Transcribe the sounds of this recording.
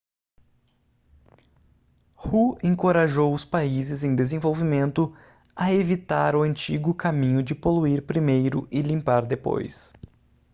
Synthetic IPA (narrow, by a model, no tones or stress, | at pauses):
huẽŋkoɾaʒowʊspaizɪzẽj̃d̪ezẽvowvimẽnt̪ʊ | ɐevit̪aɾʊɐ̃nt͡ʃiɡʊkamĩɲʊd͡ʒɪpoluiɾpɾimejɾʊ̰ʔɪlĩmpaɾd̪epo̰js